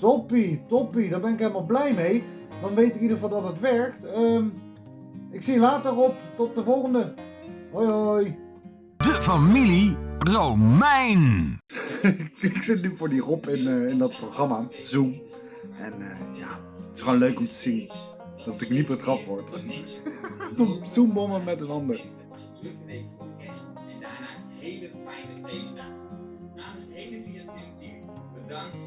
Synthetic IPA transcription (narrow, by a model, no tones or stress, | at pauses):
tɔpitɔpidaːɹbɛnɪkɦelˠəmalˠblɛjmej | dɑnʋejtɪkidəʁəfɑlˠdɑtətʋɛɹktəm | ɪksiəlaːtərɔptɔt̚dəvɔlˠχəndəɦojooj | dəfamilirowmɛjn | ɪkɪksɪtnyfʊːɹdirɔpɪnɪndɑt̚prowχrɑma | zum | ʔɛnəjaː | ətɪ̥sχʋonløɥkɔmtə̥z̥in | d̥ɑtɪknitbətrɑpʋɔɹt | umzumɔməmɛtənɑndər